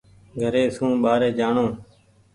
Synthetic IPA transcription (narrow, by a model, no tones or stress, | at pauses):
ɡʱəɾeːsũːɓaːɾeːd͡ʒaːɳõː